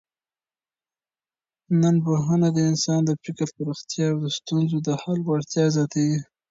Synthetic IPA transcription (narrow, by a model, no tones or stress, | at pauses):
nənboɦanad̪əɪnsɑnd̪əpɪkəɾpəɾaxt̪jɑːwd̪əst̪unzod̪əhalwaɽt̪jɑzɑt̪awi